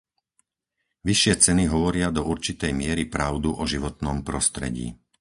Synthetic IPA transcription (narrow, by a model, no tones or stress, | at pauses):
ʋiʃɪɛt͡sɛniɦɔʋɔɾɪad̪ɔuɾt͡ʃit̪ɛjmɪɛɾipɾaʊd̪uʔɔʒiʋɔt̪nɔmpɾɔst̪ɾɛ̰ɟḭː